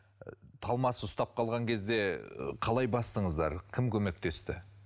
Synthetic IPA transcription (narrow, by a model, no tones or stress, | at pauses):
t̪ʰɑlˠmɑsəʊst̪ɑp̚qʰɑlˠʁɑŋkʲʰe̞zd̪e̞qʰɑlˠɑjbɑst̪əɴəzd̪ɑɾkʲʰɪmkʲʰɵme̞k̚t̪e̞st̪ɪ